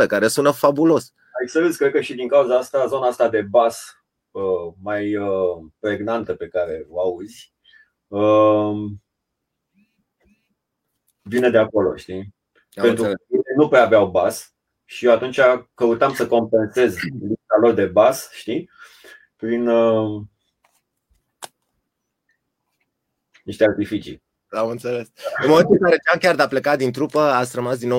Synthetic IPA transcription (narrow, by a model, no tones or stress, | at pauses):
ekaɾesunfabulo̞s | ajsəɾizkɾed̪̚kəʃid̪iŋkauzaast̪azo̞naast̪ad̪e̞bas | əmajəpɾe̞ɡnant̪əpe̞kaɾe̞oauzʲ | ə | vine̞d̪e̞ako̞lo̞̰ʃt̪i | e̞nt̪ɾukəvinenupɾeaveawbas | ʃiewat̪unt͡ʃʲakəut̪amsəko̞mpe̞nse̞zlipt̪alo̞rd̪e̞basʃt̪i | pɾinə | niʃt̪eart̪ifit͡ʃḭ | amɨnt̪sele̞sɨnmo̞me̞nt̪uɨŋkaɾet͡ʃeamkʲard̪eaple̞kat̪̚d̪int̪ɾupəat̪sʲrəmasd̪ino